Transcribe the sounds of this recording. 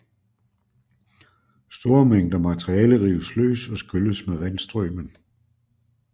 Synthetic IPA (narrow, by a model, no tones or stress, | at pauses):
sd̥o̝ɐɐmeŋ̰d̥ɐmæt͡sʰʁiɛːləʁiːʊəslø̰ːsɒ̽sɡ̥øləsmeʋænsd̥ʁœ̰ːmən